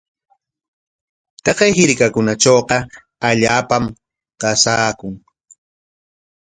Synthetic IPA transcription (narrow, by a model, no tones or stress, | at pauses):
t̪ɑqejhɪɾkakʊnat͡ʃoːqɑ | aʎaːpam | qɑsaːkʊŋ